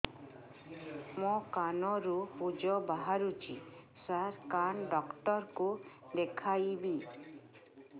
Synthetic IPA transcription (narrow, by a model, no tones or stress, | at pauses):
mɔ̃kanɔɾupud͡ʒɔbaɦaɾut͡ʃʰi | saɾkanɖɔkʈɔɾkud̪ekʰajbi